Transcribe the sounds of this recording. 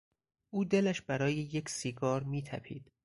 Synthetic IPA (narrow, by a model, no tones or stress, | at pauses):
ʔuːd̪e̞læʃb̥æɾɒːjeje̞cʰsiɡɒːɾmiːt̪ʰæ̰pʰḭːd̪̥